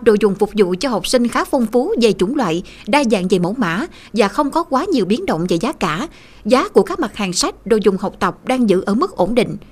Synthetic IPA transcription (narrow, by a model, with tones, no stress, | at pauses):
ɗo̰˧˨jzʊ˨˩ŋ͡mfʊ˨˩k͡p̚zṵ˧˨t͡ɕɔ˧ɦɔ˨˩wk͡p̚sï˧ŋ̟xaː˨˦˥k̚fɔ˧wŋ͡mfu˨˦ze˨˩t͡ɕʊ˧˩˦ŋ͡mlwa̰ː˧˨j | ɗaː˧za̰ː˧˨nve˨˩mə̰˧˥˦wma̰ː˧˥ | vaː˨˩xə˧wŋ͡mkɔ˨˦kwaː˨˦ɲi˨˩əwɓi˨˦nɗə̰˧˨wŋ͡mve˨˩jzaː˨˦kaː˧˩ | zaː˨˦ku˧˩əkaː˦˥k̚ma˨˩t̚haː˨˩ŋsa˦˥jk̚ɗo̰˧˨jzʊ˨˩ŋ͡mɦa˨˩wk͡p̚t̪ə˨˩wp̚ɗaː˧ŋzɨ̰˧˨ʔəː˧˩mɨ˦˥k̚ʔo˧˩nɗḭ̈˧˨ŋ̟